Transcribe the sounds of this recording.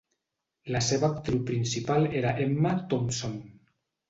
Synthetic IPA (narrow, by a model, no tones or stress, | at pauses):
laseβak̚t̪ɾiwpɾinsipaleɾaʔemːat̪omson